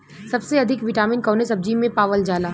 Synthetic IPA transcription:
sɐbseɐd̪ʱɪkʋɪʈaːmɪnkɔːnesɐb̚d͡ʒimẽpaːʋəld͡ʒaːlaː

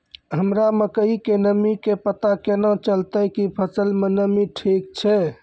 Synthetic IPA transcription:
ɦəmɾaməkəikenəmikepət̪akenãt͡ʃəlt̪əkipʰəsəlmenəmiʈʰikt͡ʃʰɛ

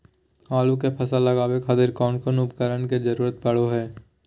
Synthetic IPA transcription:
haːlũkepʰɐsalɐɡaːwekʰaːd̪ɪɾkɔːnkonʊbkəɾənked͡ʒɐɾuːɾət̪̚bɐɽ̤oɦɛː

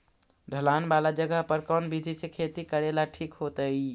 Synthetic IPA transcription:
ɖʱəlanbalad͡ʒəɡəɦpəɾkɔnbid̪ʱisẽkʰet̪ikəɾelaʈʰikɦot̪əi

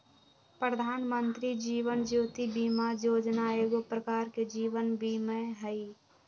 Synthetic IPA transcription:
pɾəd̪ʱaːnmə̃nt̪ɾid͡ʒiːʋənd͡ʒuːt̪ibiːmajoːd͡ʒnaeːɡopɾəkaːɾked͡ʒiːʋənbʱimeɦəi

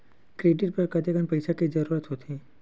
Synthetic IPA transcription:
kɾeːɖɪʈ̚pɐɾkɐt̪eɡənpɐɪsakizɐɾuːɾət̪ɦot̪ʰiː

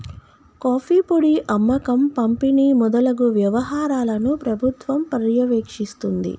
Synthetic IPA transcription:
kaːpʰiːpoɽiʔɐmːɐkɐmpɐmpiniːmɔd̪ɐlɐɡuʋjɐʋɐɦaːɾaːlɐnupɾɐbʱut̪ʋɐmpɐɾjɐʋeːkʂist̪und̪ḭ

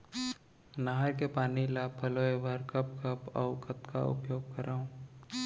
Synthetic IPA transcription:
naɦəɾkepaːnilaːpʰːɐloeʋəɾkəp̚kəpə̰ʊkət̪ka̰ʊ̰pjoːɡ̚kəɾʔaːũː

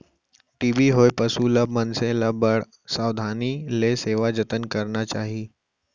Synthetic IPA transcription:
ʈiːbiɦoːepɐsuləb̚mənsẽləbəɽ | saːwd̪ʱaːnileseːʋad͡ʒət̪ənkɐɾnat͡ʃaːɦiː

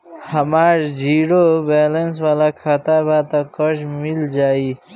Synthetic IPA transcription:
həmaɾd͡ʒiɽobɛlənswalakʰat̪abat̪ɔkəd͡ʒmild͡ʒaːi

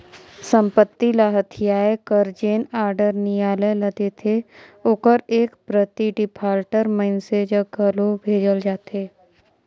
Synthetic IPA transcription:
sə̃mpət̪ːilaːɦət̪ʰijaːekəɾd͡ʒeːnaːɾɖəɾnijaːləjlɐɡet̪ʰeokəɾeːkpɾət̪iɖɪpʰaːɾʈəɾməɪnsed͡ʒəɡʱɐlobʱeːd͡ʒəld͡ʒaːt̪eː

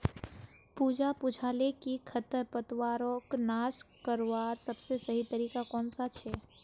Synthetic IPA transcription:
puːd͡ʒapud͡ʒʰʱaːlekikʰət̪əɾpət̪waːɾõknaːʃkəɾwaːɾsəbsesɐɦit̪əɾiːkakɔːnsat͡ʃʰɛː

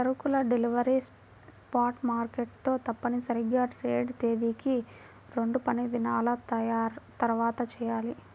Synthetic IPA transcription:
sɐɾukulɐɖeliʋɐɾis | spaːɾʈmaːɾkeʈ̚t̪o̞ːt̪ɐpːɐnisɐɾiɡaːʈɾeːɖt̪eːd̪iki | ɾe̞ɳɖupɐnid̪inaːlɐt̪ɐjaːɾt̪ɐɾʋaːt̪ɐt͡ʃɛːjaːli

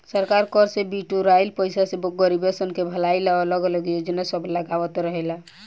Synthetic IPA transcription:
səɾkaɾkɔɾsebiʈuɾajlpəjsasebɔk̚ɡəɾibesənkebʱəlailalɔɡələɡjod͡ʒnasəbləɡawət̪ɾəɦɛla

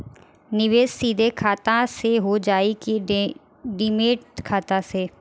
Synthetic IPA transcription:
nɪʋeːssiːd̪ʱekʰaːt̪ãseɦod͡ʒaːiki | ɖɪmeːʈkʰaːt̪ãseː

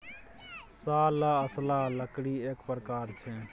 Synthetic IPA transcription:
salaəslaləkɽiekpɾəkaːɾt͡ʃʰɛ

